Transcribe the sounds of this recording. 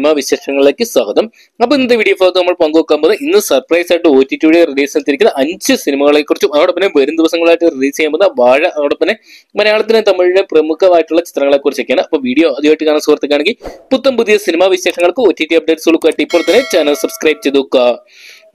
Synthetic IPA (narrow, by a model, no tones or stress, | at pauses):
maʋiɕe̞ːʂɐŋːɐɭileːkːɨswaːɡɐd̪ɐm | ɐpːoːinːɐnd̪eʋiːɽijoːfoːk̪ːɨnɐmːɐɭpɐŋɡuʋɐkːaːmboːðɨinːɨsɐrprɐjsaːjiʈːɨo̞ːtːitːjuɽeriɖiːsnt̪ːiɾikʲːunːɐʔɐɲd͡ʑɨsinimɐɣɐɭekːekurɐt͡ɕːumɐʋɐɽepːinːeʋɐɾumd̪iʋɐsɐŋːɐɭaːjʈːɨriɖiːsijaɐmbonːaʋaːɻɐʔɐʋɐɽepːinːe̞ | mɐnɐjaːɭɐt̪ːinet̪ɐmːɐɻɽe̞prɐmukʰɐmaːjiʈːuɭːɐt͡ɕi̥t̪ːrɐŋɐɭekːurɐt͡ɕːekʲːjaːɳɨɐpːoːɭʋiːɽijo̞ːɐðujaːjʈːɨkaːɳɐnsuːɐrt̪ːikʲːaːɳeŋɡilput̪ːɐmpuðijɐsinimaːʋiɕe̞ːʂɐŋːɐɭkɨo̞ːtːitːiɐp̚ɖeːʈsɣɐɭukːaːjiʈːɨipːoːɭt̪ɐnːet͡ɕaːnɐlsɐbskrɐjb̚t͡ɕeðukːa